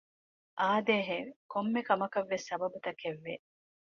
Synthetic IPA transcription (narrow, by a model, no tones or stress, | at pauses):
ʔaːd̪eːɦekomːekɐmɐkɐʋːesːɐbɐbut̪ɐkeʋːe